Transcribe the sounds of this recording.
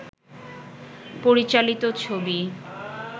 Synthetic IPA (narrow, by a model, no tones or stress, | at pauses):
poɾit͡ɕalit̪ot͡ɕʰobi